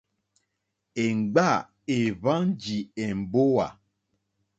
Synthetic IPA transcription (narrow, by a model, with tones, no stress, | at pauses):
e˨ŋ͡m̩˨ɡ͡ba˦˨ | e˨vã˦n˦d͡ʒi˨e˨m̩˨bo˦wa̰˨